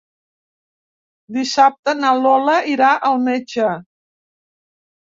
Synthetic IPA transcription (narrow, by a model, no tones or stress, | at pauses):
d̪isap̚t̪ənalɔləiɾaʔəlˠmet͡ʃə